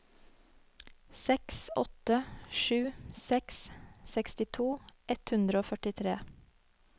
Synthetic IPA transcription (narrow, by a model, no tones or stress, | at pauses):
sɛksɔ̰t̪əʃʉːsɛkssɛkst̪ɪt̪ʰuːʔɛt̪hʉnd̪ɾəoːfœʈɪt̪ʰɾeː